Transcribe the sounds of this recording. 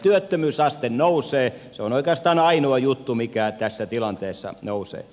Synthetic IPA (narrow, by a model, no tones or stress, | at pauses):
t̪yøt̪ːømyːsɑst̪ennouseː | seonoikeɑst̪ɑːnɑinoɑjut̪ːumikæt̪æsːæt̪ilɑnt̪eːsːɑ̰nousḛː